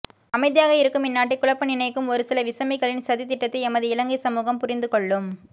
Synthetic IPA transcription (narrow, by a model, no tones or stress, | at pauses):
ɐmɐɪðɪjaːɣɐɪɾɯkːɯmɪnːaːʈ̬ːɪkːʊɭɐpːɐnɪnɐɪkːɯmɔɾɯsɪlɐʋɪsɐmɐɪɣɐɭɪnsɐðit̪ːɪʈːɐt̪ːɐɪɛmɐðɯɪlɐŋɡɐɪsɐmuːɣɐmpʊɾɪnd̪ɯkɔɭːɯm